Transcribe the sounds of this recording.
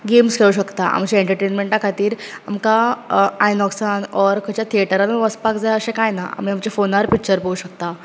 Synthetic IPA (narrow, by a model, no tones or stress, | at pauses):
ɡemskʰeɭuɕəkt̪aʔa̰mt͡ɕaeɳʈəɾʈenmeɳʈakʰat̪iːɾamkaajnɔksanɔɾkʰət͡ɕjat̪ʰieʈəɾanaʋəspakd͡zajəsẽkajnaʔa̰m̤iamt͡ɕefonaɾpikt͡ɕəɾpəuɕək̚t̪a